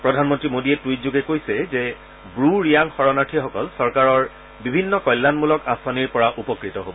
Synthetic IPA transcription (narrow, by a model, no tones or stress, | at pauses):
pɹɔdʱanmɔntɹimodiɛtwitzuɡɛkojsɛzɛ | bɹuɹijaŋxɔɹɔnaʈʰixɔkɔlsɔɹkaɹɔɹ | bibʱinːɔkɔjlːanmulɔkãsaniɹpɔɹaʔupɔkɹitɔɦobɔɔ